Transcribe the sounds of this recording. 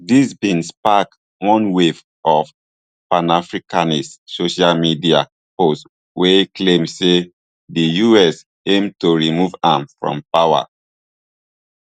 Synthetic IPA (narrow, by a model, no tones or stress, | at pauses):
disbĩnspak | wɔ̃nwev | ɔf | pãnafɹikanissoʃalmidia̰ | post | wekʰlẽmse | dijuɛs | ẽmtoɹimuvãmfɹɔ̰̃mpawa̰